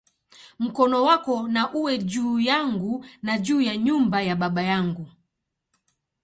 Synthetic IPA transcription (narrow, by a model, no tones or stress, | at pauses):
m̩kɔnɔwakɔnaʔuwɛd͡ʒuːjaŋɡunaʄuːjaɲumbajaɓaɓajaŋɡu